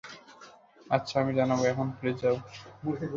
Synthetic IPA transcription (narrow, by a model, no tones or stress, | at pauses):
atːɕʰaamid͡ʑanaboɛkʰonpɾed͡ʑab